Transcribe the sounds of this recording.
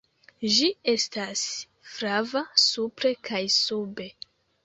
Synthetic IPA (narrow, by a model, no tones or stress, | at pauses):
d͡ʒie̞stas | fɾavasupɾe̞kʰajsube̞